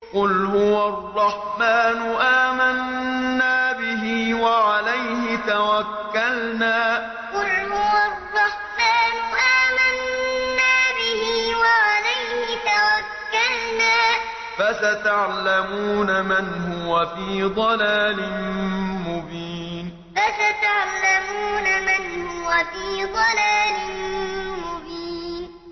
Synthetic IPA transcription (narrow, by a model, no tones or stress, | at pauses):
qʊlhʊwarˤːɑħmaːnʊʔaːmanːaːbɪɦiːwaʕalajhɪt̪awakːalnaː | qʊlhʊwarrˤːɑħmaːnʊʔaːmanːaːbɪhiːwaʕalajhɪt̪awakːalnaː | fasat̪aʕlamuːnamanhʊwafiːd̪ˤɑlaːlɪnmʊbiː | n | fasat̪aʕlamuːnamanhʊwafiːd̪ˤɑlaːlɪnmʊbiːn